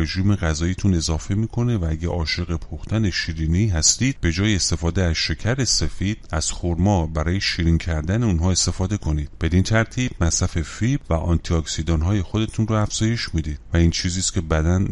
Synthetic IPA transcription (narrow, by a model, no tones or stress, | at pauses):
ɾe̞ʒiːme̞ɣæzɒːiːt̪ʰune̞zɒːfe̞miːkʰo̞ne̞vææɟæʔɒːʃe̞ɣe̞pʰuxt̪ʰæne̞ʃiːɾiːniɦæst̪iːd̪̥̚be̞d͡ʒɒːjeːst̪e̞fɒːd̪eæz̥ʃe̞cʰæɾe̞se̞fiːd̪̥̚æz̥xoɾmɒːbæɾɒːje̞ʃiːɾiŋcʰæɾd̪æne̞unɦɒːe̞st̪e̞fɒːd̪e̞kʰo̞niːd̪̥̚b̥e̞d̪int̪ʰæɾt̪ʰiːb̥mæsɾæfe̞fibvæʔɒnt̪ʰiɒksid̪ɒːnɦɒːje̞xo̞d̪e̞t̪ʰunrʊæfz̥ɒːje̞ʃmid̪iːd̪̥væint͡ʃʰiːziːscʲʰe̞bæd̪æn